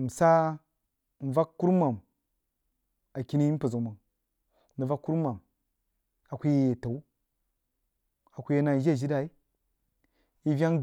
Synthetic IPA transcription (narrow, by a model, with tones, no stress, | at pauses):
m̩˨sa˦˨ | n˨va˦kːu˦ɾma˨m | a˨ki˦ni˦m˦pə˨zo˨ma˨ŋ | nə˨va˦kːu˦ɾma˨m | a˨kʷu˦je˨ta˨u˦ | a˨kʷu˦je˦na˨d͡ʒe˦˨ʒi˦da˨i˦ | i˦vʲa˦ŋ